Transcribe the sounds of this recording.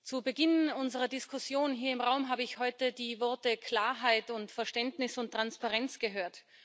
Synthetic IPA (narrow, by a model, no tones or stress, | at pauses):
t͡subəɡɪnʊnzəʁɐdɪskʰʊsjoːnɦiːɐɪmʁaʊmɦaːbəɪçhɔʏtədiːvɔɐtəkʰl̥aːɐɦaɪtʊntfɛɐʃtɛntnɪsʊntːʁ̥anspaʁɛnt͡sɡ̥əɦøːɐt